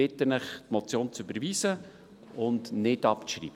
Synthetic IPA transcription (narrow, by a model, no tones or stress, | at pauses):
ɪt̪ənəχtmɔt͡sjoːnt͡sybəɾviːsə | ʊndnɪtɑpt͡sʃɾḭːbə